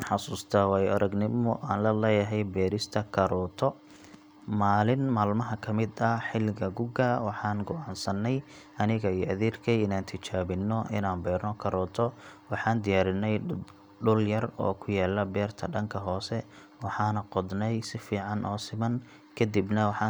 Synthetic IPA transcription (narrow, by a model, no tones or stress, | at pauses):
nħɑsuːst̪ʰaːwɑːjɐɾɐɡnɪmʊʔaːnlɐlɛːjɐɦɛjbɛːɾɪst̪ʰɐkʰɐɾɔːt̪ʰɔ | maːlɪnmaːlmɐɦɐkʰɐmɪd̪ɐħɪlɪɣɐɡʊɡɐwɑħɑːnɡɔʔɑːnsɐnːɛj | ɐnɪɣɐiːʔɐðiːrkʰɛjɪnaːnt̪ʰɪt͡ʃaːβɪnːɔʔɪ̰naːnbɛːrnɔkʰɐɾɔːt̪ʰɔwɑħɑːnd̪ɪjaːɾɪnːɛj | ɖʊljɐrɔ̰ːkʰʊjaːlɐbɛːrt̪ʰɐɖɐŋkʰɐɦɔːsɛ | wɑħɑːnɐqɔd̪nɛjsɪfiːʕɑnʔɔːsɪmɐn | kʰɐd̪ibnɐwɑħɑ